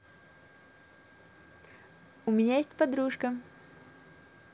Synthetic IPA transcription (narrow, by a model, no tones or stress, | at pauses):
ʊmʲɪnʲajesʲtʲpɐd̪ɾuʂkə